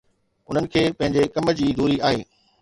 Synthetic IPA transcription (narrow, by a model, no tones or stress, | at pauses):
ʊn̤ənɪ̆kʰeːpɐ̃ɦɪ̃ɲd͡ʑekɐməd͡ʑiːd̪ʱuːɾiaːɦeː